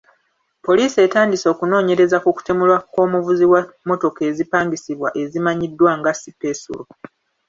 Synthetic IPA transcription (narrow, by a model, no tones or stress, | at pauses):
po̞liːse̞taːndiso̞ːkuno̞ːɲe̞ɾe̞zakuku̥temulwako̞ːmuvuziwamːo̞to̞ke̞ːzipaːŋɡisiβwaʔe̞zimaɲidːwaŋɡasipe̞sṵlu